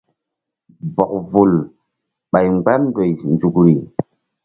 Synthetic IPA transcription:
bɔ˨k̚vu˨l | ɓa˨jŋ͡mɡ͡ba˦ndo˨jnd͡ʒu˨kɾi˨

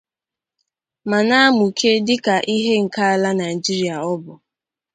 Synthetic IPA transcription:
ma˨na˦a˦mu˨kʰe˦dɪ˦ka˨ʔi˦ɦe˦ŋ̩˨ka˦a˦la˦na˨ɪi˨d͡ʒi˦ɾi˨˦a˨ɔ˦bʊ˨

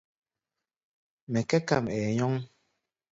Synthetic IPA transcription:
mɛ˨kɛ˦ka˨mɛː˨ɲɔ˦ŋ

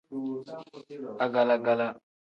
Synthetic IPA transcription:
a˨ɡa˨la˦ɡa˦˨la˦

